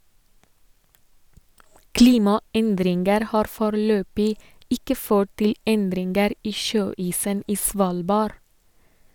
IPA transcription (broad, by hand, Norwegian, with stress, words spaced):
ˈkliːmɑˌɛndɾɪnɡəɾ ˈhɑːɾ ˈfoːɾəˌløːbɪ ˈɪkə ˈføːʈ ˈtɪl ˈɛndɾɪnɡəɾ ˈiː ˈʃøːiːsən ˈiː ˈsʋɑːlbɑɾ